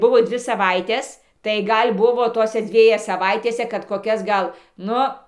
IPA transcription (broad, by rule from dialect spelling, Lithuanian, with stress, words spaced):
ˈbʊʋoː ˈdʲʋʲɪ sɐˈʋɐɪtʲɛs tɐɪ ˈɡɐlʲ ˈbʊʋoː ˈtoːsʲɛ ˈd͡zʲʋʲiɛjɛ sɐˈʋɐɪtʲeːsʲɛ kɐt koːˈkʲɛs ˈɡɐlˠ ˈnʊ